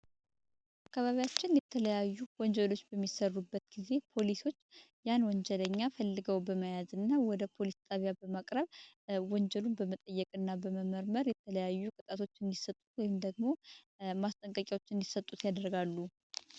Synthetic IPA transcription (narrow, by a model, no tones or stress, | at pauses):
ʔ | akːaβaβijat͡ʃːɪnjɛt̪ʰələjajːuwɔɲd͡ʒɛlo̞t͡ʃːbəmːisərːubːət̪ɡ̥ize̞pʰo̞liso̞t͡ʃː | janwɔɲd͡ʒələɲːafəlːɨɡəwbəməjazɨnːawɔd̪əpʰo̞list̪ʼaβjabəmakʼɾəβwɔɲd͡ʒəlunbəmət̪ʼəjːɛkʼɨnːabəməməɾməɾjɛt̪ʰələjajːukʼɨt̪ʼat̪ʰo̞t͡ʃːɨnd̪isət̪ʼut̪wɔjɪmd̪əɡmo̞ | mast̪ʼəŋkʼəkʼawo̞t͡ʃːɨnd̪isət̪ʼːut̪jad̪əɾɡalːu